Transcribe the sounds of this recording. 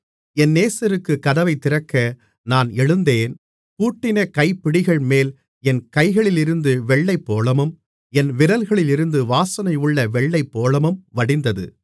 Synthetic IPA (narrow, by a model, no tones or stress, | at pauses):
ɛnːeːsɐɾɯkːɯkːɐðɐʋɐɪt̪ːɪɾɐkːɐ | naːnɛɻɯnd̪eːn | kuːʈːɪnɐkɐɪpːɪɽɪɣɐɭmeːl | ɛnkɐɪɣɐɭɪlɪɾɯnd̪ɯʋɛɭːɐɪpːoːlɐmɯm | ɛnʋɪɾɐlɣɐɭɪlɪɾɯnd̪ɯʋaːsɐnɐɪʊɭːɐʋɛɭːɐɪpːoːlɐmɯmʋɐɽɪnd̪ɐðɯ̰